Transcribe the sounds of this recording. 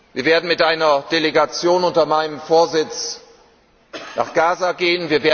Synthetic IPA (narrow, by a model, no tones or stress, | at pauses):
v̥iːɐveːɐdn̩mɪtʔaɪnɐd̥eleɡat͡sjoːnʊntɐmaɪnəmfoːɐzɪt͡s | nʔa̰ːχɡ̥aːzaɡeːənviːɐveːɐ